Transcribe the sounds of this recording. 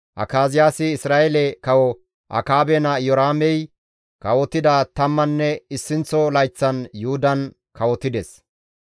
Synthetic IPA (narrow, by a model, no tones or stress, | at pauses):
ʔɐ̰kaːzɪjaːsɪːsɾaːʔɛlɛkɐwɔ | ʔɐ̰kaːbɛnɐjɔɾaːmɛj | kɐwɔt̪ːɪd̪ɐt̪ɐmːɐnːɛɪsːɪnt͡sɔlɐjt͡sːɐnjʊhʊd̪ɐn | kɐwɔt̪ːɪd̪ɛs